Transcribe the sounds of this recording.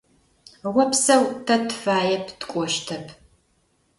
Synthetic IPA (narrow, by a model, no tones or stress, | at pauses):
ʁʷɔpsɐwtʰɐtʰfaːjɛpʰtʰkʷʼɔʃtʰɐpʰ